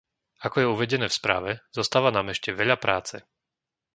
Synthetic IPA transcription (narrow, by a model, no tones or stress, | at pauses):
akɔjɛuʋɛɟɛnɛːfspɾa̰ːʋɛzɔst̪aːʋanaːmɛʃcɛʋɛʎapɾaːt͡sɛ